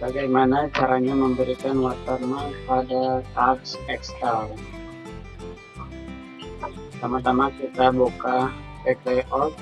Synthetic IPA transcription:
baɡajmanat͡ʃaɾaɲaməmbəɾikanwat̪armakəpadakaksɛkst̪al | t̪amat̪amakit̪aboka | pekeʔɔt̪̚

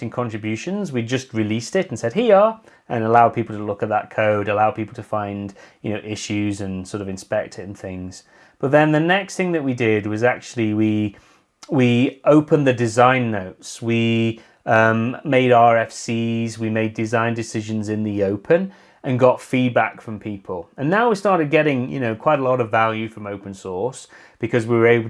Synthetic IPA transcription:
ɪ̃ŋkʰɑ̃nt͡ʃɹ̥ɨbjʉʃɨ̃nzwid͡ʒʌst̚ɹɪlistɪtn̩sɛd̚ɦiə | ə̃nəlaʊd̚pʰipl̩ˠtʰəlʊkət̪̚ðə̰t̚kʰoʊɾəlaʊpʰipl̩ˠtʰəfãɪ̃nd̥jɨnoʊʔɪʃʉzɨ̃nsɔɹɾʌvɨ̃nspɛk̚tʰɪ̃n̩θɪ̃ŋz̥ | b̥ʌt̪̚ðə̃nðɨnɛksθɪ̃ŋðɨʔ̚widɪd̚wʌzak̚t͡ʃʉl̩ˠiwi | wioʊpʰə̃nðɨdɪzãɪ̃nːoʊtswi | ʌ̃mmeɪɾɑɹɛfsizwimeɪdɨzãɪ̃ndɨsɪʒɨ̃nzɨ̃nðioʊpʰə̃n | ə̃nɡɒtfid̚ba̰kfɹə̃mpʰipʰəl̩ˠə̃nːaʊwistɑɹɾɨd̚ɡɛɾɪ̃ŋjɨ̰noʊkʰw̥aɪɾəlɔɾʌvalˠjʉfɹə̃moʊpə̃nsɔɹs | b̥ɨkʰʌzwiwə˞eɪbl̩ˠ

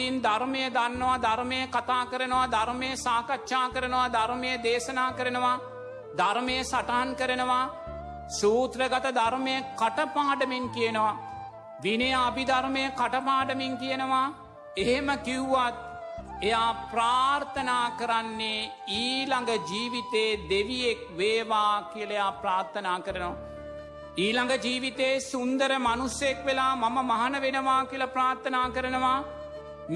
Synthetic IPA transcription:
ind̪aɾmejəd̪anːəʋad̪aɾmejəkat̪aːkəɾənəʋad̪ʱaɾmejəsaːkatːʃaːkəɾənəʋad̪aɾmejəd̪eːsɐnaːkəɾənəʋa | d̪aɾmejəsaʈaɦankəɾənəʋa | suːt̪ɾəɡat̪əd̪aɾmejəkaʈəpaːɖəmeŋkijənəʋa | ʋinejabid̪aɾmejəkaʈɐpaːɖəmeŋkijənəʋa | eɦeməkiuʋat̪̚ | ejaːpɾaːɾt̪ʰənaːkəɾanːe | iːlaŋɡɐd͡ʒiːʋit̪eːd̪eʋijek̚ʋeːʋaːkijəlejapɾaːɾt̪ʰɐnaːkəɾənəʋa | iːlaŋɡɐd͡ʒiːʋit̪eːsund̪əɾəmanusekʋelaːmamɐmaɦɐnɐʋenəʋaːkilɐpɾaːɾt̪ʰənaːkəɾənəʋaː

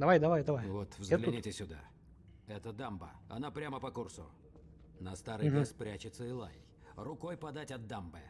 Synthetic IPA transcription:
d̪ɐvajd̪ɐvajd̪ɐvajvot̪vzɡɛt̪lʲɪnʲitʲɪsʲʊd̪a̰ | ɛt̪əd̪ambəɐ̰napɾʲaməpɐkursʊ̰ | nɐst̪aɾɨespɾʲat͡ɕɪt̪səɪlˠa̰j | rʊkojpɐd̪atʲɐd̪ːambɨ

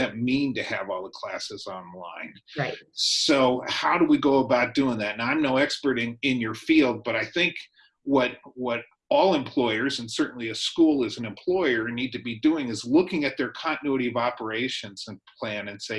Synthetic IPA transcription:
ɨt̚mĩntɨɨvɔlˠðəkʰl̥æsɨzɑ̃nlã̰ɪ̃n | soʊhaʊɾəwiɡoʊəbaʊt̚d̥ʉɪ̃ŋðæt̚ⁿnãɪ̃mnoʊɛkspə˞ɾɪ̃ŋɪ̃njə˞filˠd̚bʌɾaɪθɪ̃ŋk | wʌɾwʌɾ | ɔlˠɨ̃mpʰl̥ɔɪə˞zɨ̃n̩sɜ˞ʔn̩liɨskulˠɨzn̩ɨ̃mpʰl̥ɔɪə˞nid̚tɨbiduɪ̃ŋɨzlʊkɪ̃ŋɨt̪̚ðə˞kʰɑ̃ñtɨnʉɨɾiʌvɑpə˞eɪʃɨ̃nz̥ɨ̃npʰl̥æ̃nɨ̃nseɪ

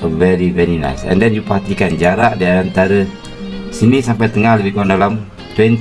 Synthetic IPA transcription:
vɛɾivɛɾina̰jsɛ̰̃ndɛnjupəɦat̪ikand͡ʒaɾaʔdaɾant̪aɾə | sinisampajt̪əŋahləbiɡandalam | t̪wɛnt̪

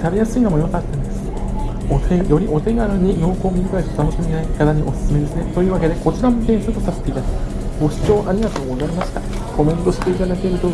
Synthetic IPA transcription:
t̪abʲejasɨiːnomo̞jokat̪ːand̪e̞sɨ̥ | ot̪ʰejo̞ɾʲiʔo̞t̪e̞ɡaɾaɲ̟ijoːko̞ːmʲiɾʲikaest̪ot̪ano̞ɕi̥eminaikat̪aɲ̟iʔo̞sɨ̥sɨme̞d̪e̞sɨnet̪ojɯːβake̞d̪e̞ko̞t͡ɕiɾamop̪ẽ̞ɰ̃sɨɾɯt̪osase̥t̪e̞it̪ad̪a | ɡo̞ɕi̥t͡ɕo̞ːʔaɾʲiɡat̪aoɡoɡaɾʲimaɕi̥t̪a | ko̞mẽ̞nt̪o̞ɕi̥t̪e̞it̪anat̪eɾɯ̟t̪o

